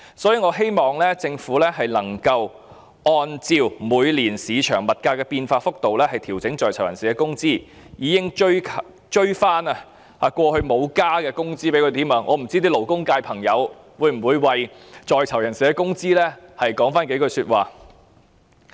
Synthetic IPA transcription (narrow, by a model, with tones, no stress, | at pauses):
sɔː˨˥jiː˧ŋɔː˨˧ɦe˥jmɔː˨˩ŋlɛː˥t͡sɪ˧ŋfuː˨˥lɛː˥ɦɐ˨jlɐ˨˩ŋkɐ˧w | ʔɔː˧nt͡siː˧wmuː˨˧jliː˨˩nsiː˨˧t͡ʃʰœ̰ː˨˩ŋmɐ˨t̚kaː˧kɛː˧piː˧nfaː˧fʊ˥k̚t̪o˨wlɛː˥hɐ˨jt̪ʰiː˨˩wt͡sɪ˨˥ŋt͡sɔː˨jt͡sʰwjɐ̰˨˩nsiː˨kɛ˧kʊ˥ŋt͡siː˥ | jiː˨˧kɪ˥ŋt͡ʃɵ˥ɥkʰ | t͡ʃɵ˥ɥfaː˥nɐ˧ | haː˧˩kʷwʷɔː˧hɵ˧ɥmo˨˧wkaː˥kɛː˧kʊ˥ŋt͡siː˥pe˨˥kʰɵ˨˧t̪iː˨˥mœː˨˧˥ŋʔɔː˨˧m̩˨˩t͡siː˥t̪iː˥lo˨˩wkʊ˥ŋkaː˧jpʰɐ˨˩ŋjɐ˨˧w | wuː˨˧jm̩˨˩wuː˨˧jwɐ˨jt͡sɔː˨˧jt͡sʰɐ˨˩wjɐ˨˩nsiː˨kɛː˧kʊ˥ŋt͡siː˥lɛː˥hɐ˨jkɔː˨˥ŋfaː˥nke˨˥kɵ˧syː˧t̚waː˨˩